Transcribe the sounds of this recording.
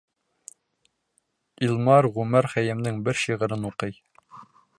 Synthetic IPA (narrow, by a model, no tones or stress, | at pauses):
ilˠmɑɾʁʉmæɾχæjɘ̆mnɘŋbɘɾʃiʁɤ̆ɾɤnuqɤj